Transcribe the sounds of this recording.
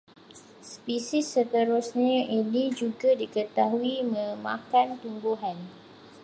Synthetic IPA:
spisɪsːət̪əɾʊsɲãʔinid͡ʒuɡadikət̪aɦuimə̃mã̰kant̪umbuɦan

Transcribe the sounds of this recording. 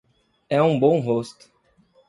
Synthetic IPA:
ɛũbõw̃ɦost̪ʊ̥

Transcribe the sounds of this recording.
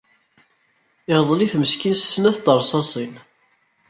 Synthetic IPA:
ɪʁðˤliθməskinsə̥snæθd̪ˤəɾˤsˤɑsˤin

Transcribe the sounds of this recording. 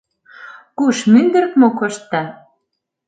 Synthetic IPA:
kuʃmynd̪ə̆ɾkmokŏʃt̪ːæ

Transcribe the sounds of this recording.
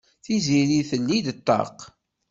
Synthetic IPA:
θiziɾiθəlːid̪t̪ˤːɑ̰q

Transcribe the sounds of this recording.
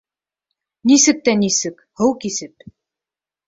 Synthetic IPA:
nisɘk̚t̪ænisɘk | hɤwkisɘp̚

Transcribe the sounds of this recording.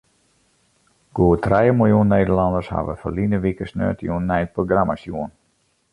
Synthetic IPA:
ɡ̥uətrɛjəmɪlˠjunːeːdərlɑndəsha̰ʋə̰fəlinəʋikəsnø̰ːtjunːɛjət̚proɡramasjuən

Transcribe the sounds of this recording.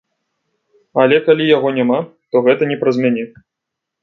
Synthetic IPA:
ɐlʲɛkalʲijaɣɔnʲamat̪ɔɣɛt̪ɐnʲɛpɾɐzʲmʲanʲɛ

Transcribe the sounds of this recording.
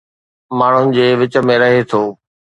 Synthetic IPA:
maːɳ̤ʊnɪ̆d͡ʑeːʋɪt͡ɕə̆mẽɾɐɦet̪ʰoː

